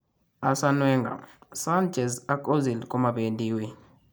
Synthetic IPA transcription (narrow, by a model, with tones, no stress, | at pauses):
a˨sa˦nwɛ˦ŋɡa̰˨sa˦nd͡ʒʱʼɛ˨za˦kʼo˦zi˨lkʼu˦ma˨ɓe˨ndʼiː˦wi˦